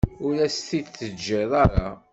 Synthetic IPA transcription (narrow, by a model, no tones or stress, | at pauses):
ʊɾæst̪id̪θːəd͡ʒːɪðˤɑɾˤɑ̰